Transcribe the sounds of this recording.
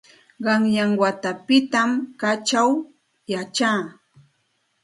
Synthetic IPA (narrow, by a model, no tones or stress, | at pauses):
ɢɑŋjaŋwat̪apɪt̪amkat͡ʃaw | jat͡ʃaː